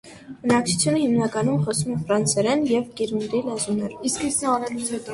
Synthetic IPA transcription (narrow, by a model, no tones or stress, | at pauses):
b̥ənɑk̚t͡sʰu̥t͡sʰjunəhimnɑkɑnumχɔsumɛfɾɑnt͡sʰɛɾɛnjɛvkiɾund̪ilɛzunɛɾiskəɑɾɛlut͡sʰɛt̪